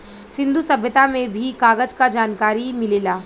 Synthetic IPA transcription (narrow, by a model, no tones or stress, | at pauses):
sɪ̃nd̪ʱusɐbʱjət̪amẽbʱikaːɣəd͡ʒkad͡ʒaːnkaːɾimɪleːlaː